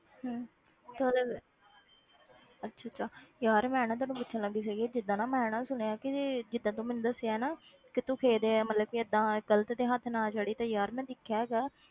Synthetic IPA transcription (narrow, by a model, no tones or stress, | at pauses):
ɦː | t̪oləɡ | ətːʃʰaːtːʃʰaːjaːɾmɛ̃ɛːnãːt̪̬ãːnũːpʊtːʃʰələŋɡiːsɛːɡiɛːd͡ʒɪd̪ːãːnãːmɛ̃ːnãːsʊnejaːkɪd͡ʒɪd̪ːãːt̪̬õːmɛːnd̪əsːejaːɛːnaː | kɪt̪ũːkʰeːd̪eːɛːmət̪ləbkiəd̪ːãːɡələt̪d̪eːɦət̪ʰnaːd͡ʒaːɽiːt̪ãːjaːɾmɛ̃ːd̪ɪkʰːjaːɡaː